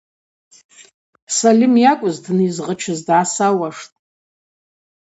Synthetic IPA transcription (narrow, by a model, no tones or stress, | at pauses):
salʲimjakʷʼʊzdnɨzʁət͡ʃʰɪzdʕasawaʂtʼ